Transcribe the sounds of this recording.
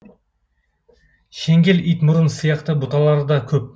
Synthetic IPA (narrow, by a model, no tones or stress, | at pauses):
ʃeŋɡʲe̞lijt̪mʊɾənsəjɑqt̪əbʊt̪ɑlˠɑɾəd̪ɑkʲʰɵp̚